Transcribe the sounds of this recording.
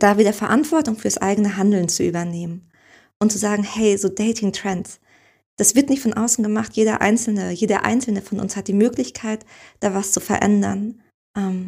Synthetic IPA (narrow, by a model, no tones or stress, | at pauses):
d̥aːviːdɐfɛɐʔantv̥ɔɐtʊŋfyːɐasʔa̰ɪɡənəɦandl̩nt͡suʔyːbɐneːmən | ʔʊnt̚t͡suzaːɡŋ̩hɛɪzoːdɛɪtʰɪŋtʁ̥ɛnts | d̥asv̥ɪɐtnɪçtfɔnʔaʊsn̩ɡəmaχtjeːɾɐ̰ʔa̰ɪnt͡sl̩nəjeːdɐ̰ʔa̰ɪnsl̩nəfɔnʔʊ̰nshat̚d̥iːmøːklɪçkʰaɪtd̥aːvast͡sufɛɐʔɛ̰ndɐ̰n | ʔɛm